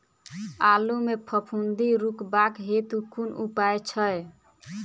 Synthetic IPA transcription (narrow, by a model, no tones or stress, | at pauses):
alumepʰəpʰund̪iɾukbakɦet̪ukunupaet͡ʃʰə